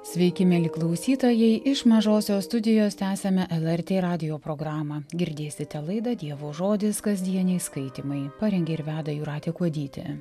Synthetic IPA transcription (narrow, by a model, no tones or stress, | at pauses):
sʲʋʲɛɪkʲɪmʲɛlʲɪklˠɒʊsʲiːt̪oːjɛɪʔɪʃmɐʒoːsʲoːst̪ʊd̪ʲɪjoːst̪ʲæːsʲɛmʲɛʔɛlˠɛɾʲt̪ʲeːɾɑːd̪ʲɪjoːpɾoːɡɾɑːmɑɡʲɪɾʲd̪ʲeːsʲɪt̪ʲɛlˠɐɪd̪ɐd̪ʲiɛʋoːʒoːd̪ʲɪskɐzʲd̪ʲiɛnʲɛɪskɐɪt̪ʲimɐɪpɑɾʲɛŋʲɡʲɛɪɾʋʲæːd̪ɐjuːɾɑːt̪ʲeːkuɔd̪ʲiːt̪ʲɪ̰